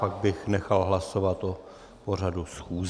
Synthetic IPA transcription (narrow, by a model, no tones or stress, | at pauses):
aɡ̚bɪxnɛxalɦlasovat̪ʔo | por̝adusxuːz